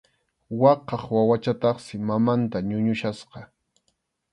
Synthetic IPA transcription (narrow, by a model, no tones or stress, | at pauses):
wɑqɑχwawat͡ʃat̪ɑχsɪmamant̪aɲʊɲʊʃasqɑ